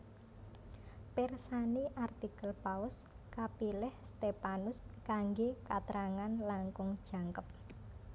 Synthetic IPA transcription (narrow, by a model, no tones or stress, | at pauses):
pɛrsaniʔart̪ikəlpaʊs | kapilɪhst̪epanʊskaŋɡekat̪ɾaŋanlaŋkʊŋd̥ʒ̥ä̤ŋkəp̚